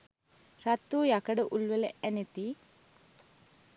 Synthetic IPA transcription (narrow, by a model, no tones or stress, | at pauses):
ɾat̪ːuːjakəɖəʔulʋələʔænet̪i